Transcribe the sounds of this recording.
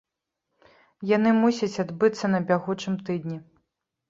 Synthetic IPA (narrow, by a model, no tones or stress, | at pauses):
janɨmusʲɐt͡sʲad̪bɨt̪sːɐnɐbʲaɣut͡ʂɨmt̪ɨd̪nʲi